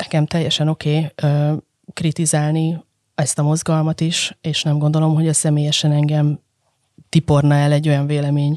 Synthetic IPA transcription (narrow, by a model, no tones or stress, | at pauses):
nɛkɛmt̪ɛjːɛʃɛno̞keːøː | krit̪izaːlni | ɛst̪ɒmo̞zɡɒlmɒt̪iʃeːʃnɛmɡond̪o̞lo̞mɦo̞ɟɒsɛmeːjɛʃɛnɛŋɡɛm | t̪ipo̞rnɒɛlɛɟːo̞jɒɱveːlɛmeːɲ